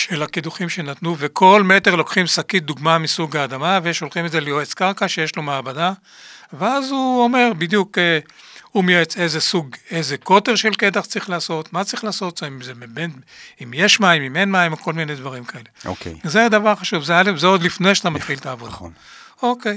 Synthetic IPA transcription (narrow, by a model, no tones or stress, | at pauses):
ʃelakid̪uχimʃe̞nat̪nuvekʰo̞lmet̪eʁlo̞kχimsakit̪̚d̪uɡmamisuɡaːd̪amaveʃo̞lχimedzelejoet͡skaʁkaʃejeʃlomeabada | veazuome̞ʁbid̪jukeumjoet͡se̞jzesuɡezeko̞t̪eʁʃe̞lked̪aχt͡sʁiχlaːso̞t̪mat͡sʁiχlaːso̞t̪zoimzebebenimjeʃmaimimenmaimoko̞lmined̪vaʁimkae̞le̞o̰kḛzed̪avaʁχaʃuvzealefzeod̪lifnejʃat̪amat̪χilt̪aːvodd̪a | o̞kej